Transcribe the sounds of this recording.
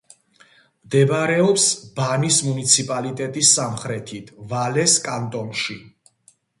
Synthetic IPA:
md̪ɛbɾɛɔpsbanismunit̪sʰipʼalit̪ʼɛt̪ʼisːamχɾɛt̪ʰit̪ʰvalɛskʼant̪ʼɔnʃi

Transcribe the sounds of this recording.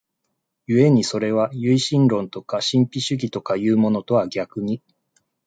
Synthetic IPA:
jɯ̟e̞ɲ̟iso̞ɾe̞β̞ajɯ̟iɕĩnɾõ̞nt̪o̞kaɕĩmpʲiɕɨɡʲit̪o̞kajɯːmo̞no̞t̪o̞βaɡʲakɯ̟ɲ̟i

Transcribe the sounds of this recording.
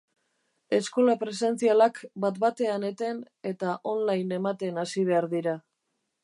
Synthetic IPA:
e̞sko̞lapɾe̞se̞nt͡sialakbat̪bat̪e̞ane̞t̪e̞n | e̞t̪aʔo̞nlajne̞mat̪e̞nasiβ̞e̞aɾðiɾa

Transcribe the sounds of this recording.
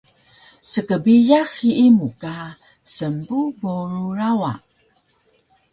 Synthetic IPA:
səkəbijaxiʔimuka | səmbuvoɾurawa̰ʔ

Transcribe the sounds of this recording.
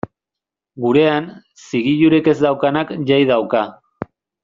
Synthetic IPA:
ɡuɾe̞an | siɣiʎuɾeke̞zd̪awkanakʎajð̞awka

